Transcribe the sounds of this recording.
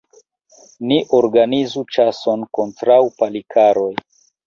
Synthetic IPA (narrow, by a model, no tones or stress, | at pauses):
niʔo̞ɾɡanizut͡ʃaso̞nko̞ntɾawpalikʰaɾo̞j